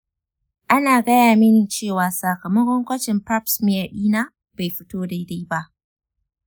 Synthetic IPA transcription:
ʔa˦naː˨ɡɐ˦jaː˨mɪ˦ni˨t͡ʃeː˦˨waː˨sa˨kɐ˨mɐ˦kʷɔ˦ŋkʷɐ˦t͡ʃɪ˨mpa˦psmɪ˦ja˨ɗiː˦naː˦ | b̥a˨jɸɪ˦toː˦da˦jda˦jba˦ʔ

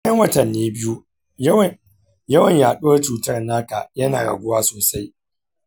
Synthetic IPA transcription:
ɐ˦ŋwɐ˦tɐ˨nːeː˦bɪ˦ju˦ | jɐ˦wɐ˨ɲjaː˨ɗoː˦t͡ʃuː˨tɐ˦rnaː˦ka̰˨jɐ˦na̰ː˨ɾɐ̰˨ɡʷʊ˦waː˦soː˨sa˦j

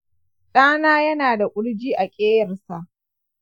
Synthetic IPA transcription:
ɗaː˦naː˦jɐ˦naː˨da˨ʔʷʼʊ˦ɽd͡ʒiː˦ʔa˨kʲʼeː˦jɐ˨rsa˨ʔ

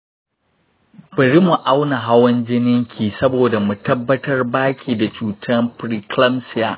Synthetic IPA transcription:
b̥ɐ˨ɾi˦mu˨ʔa˦wna˨ɦa˦wɐ˦nd͡ʒɪ˦nɪ˦ŋkʲʰiː˨sɐ˦boː˨da˨mu˨tɐ˦bːɐ˦tɐ˦rbaː˦kʲʰiː˨da˨t͡ʃuː˨tʰɐ˦mpɾi˨klɐ˦msɪ˦jaː˨ʔ

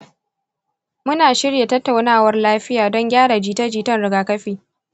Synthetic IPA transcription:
mʊ˦naː˨ʃɪ˦ɽja˨tɐ˦tːa˨wnaː˦˨wɐ˦rlaː˦ɸɪ˦jaː˨dɔ˦ŋɡʲaː˦ɽa˨d͡ʒiː˦ta˦d͡ʒiː˦tɐ˦nɽɪ˨ɡaː˨kɐ˦ɸiː˨

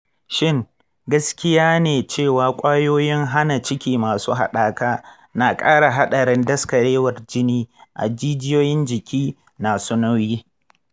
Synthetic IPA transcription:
ʃɪ˦˨ŋ | ɡɐ˦skʲɪ˦jaː˦neː˨t͡ʃeː˦˨waː˨kʷʼaː˦joː˦jɪ˦ŋɦa˦na˨t͡ʃɪ˦kʲiː˦maː˨suː˦ɦa˨ɗaː˦kaː˦ | naː˨kʼaː˦ɽa˨ɦa˦ɗɐ˨ɾɪ˦ndɐ˦skɐ˨ɽeː˦wɐ˨rd͡ʒɪ˦niː˦ʔa̰˨d͡ʒiː˦d͡ʒɪ˦joː˦jɪ˦nd͡ʒɪ˨kʲiː˦ | naː˨su˦na˦wjiː˦

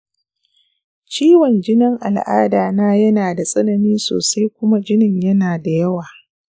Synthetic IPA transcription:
t͡ʃiː˦wɔ˨nd͡ʒɪ˦nɪ˦ŋʔa̰˨lʔa̰ː˦daː˨naː˦jɐ˦naː˨da˨sʼɐ˦nɐ˨niː˦so̰ː˨sa˦jkʷʊ˦ma˦d͡ʒɪ˦nɪ˦˨ɲjɐ˦naː˨da˨jɐ˦waː˨

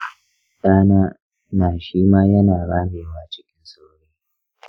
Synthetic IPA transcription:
kʼaː˦naː˦ | naː˨ʃiː˦maː˦jɐ˦naː˨ɽaː˦ɽeː˨waː˦t͡ʃɪ˦kʲɪ˦nsoː˦˨ɽeː˦

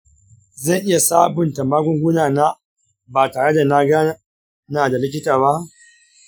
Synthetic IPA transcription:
zɐ˦˨ŋʔɪ˦ja˨saː˦bʊ˨nta˨maː˦ɡʷʊ˦ŋɡʷʊ˦naː˨na˦ | baː˨taː˨ɽe˦da˨na˦ɡaː˦ | na˨da˨lɪ˦kʲɪ˦taː˨ba˦ʔ

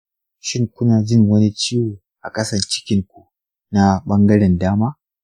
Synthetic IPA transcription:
ʃɪ˦ŋkʷʊ˦naː˨d͡ʒɪ˦˨ŋwɐ˦ni˦t͡ʃiː˦wuː˨ | ʔa̰˨kʼɐ˦sɐ˨nt͡ʃɪ̥˦kʲɪ˦ŋkʷu˨ | na˦ɓɐ˦ŋɡɐ˦ɽɛ˨ndaː˦maː˦

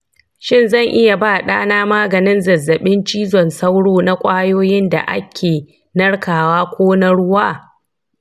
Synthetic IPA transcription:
ʃɪ˦˨nzɐ˦˨ŋʔɪ˦ja˨baː˦˨ɗaː˦naː˦maː˦ɡɐ˨nɪ˦nzɐ˨zːɐ˨ɓɪ˦nt͡ʃiː˦zɔ˨nsa˦wɽoː˦na˦kʷʼaː˦joː˦jɪ˦nda̰˨ʔa̰˦kʲʰeː˨ | nɐ˦ɽkaː˨waː˦kʷoː˦na˦ɽʊ˦waː˦˨

